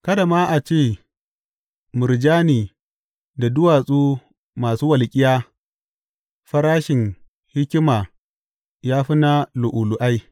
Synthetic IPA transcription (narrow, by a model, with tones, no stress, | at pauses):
kɐ˦da˨maː˦ʔa˨t͡ʃeː˦˨ | mʊ˨ɾd͡ʒaː˦niː˨ | da˨dʊ˦waː˨sʼuː˦ | maː˨suː˦wɐ˨lkʲʼɪ˦jaː˦ | ɸɐ˦ɾaː˦ʃɪ˨ŋ | hɪ˦kʲɪ˦maː˨ | jaː˦ɸɪ˦na˦lʊ˨ʔʊ˨lʊ˨ʔa˦j